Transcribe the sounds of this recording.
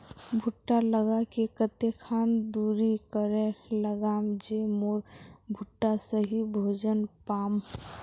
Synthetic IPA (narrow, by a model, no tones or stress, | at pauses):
bʱuʈːaləɡakekət̪ekʰand̪uɾikəɾeləɡamd͡ʒemoɾbʱuʈːasəɦibʱod͡ʒənpam